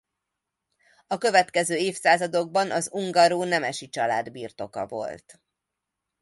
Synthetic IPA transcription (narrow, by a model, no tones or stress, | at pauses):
ɒkø̞vɛt̪kɛzøːeːfsaːzɒd̪o̞ɡ̚bɒnɒzuŋɡɒɾoːnɛmɛʃit͡ʃɒlaːd̪birt̪o̞kɒ̰vo̞̰lt̪